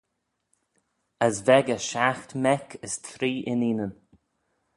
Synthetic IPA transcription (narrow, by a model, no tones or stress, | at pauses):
əsvɛɡəʃaxt̪mɛkʰɪst̪ʰɾiːʔɪniːnən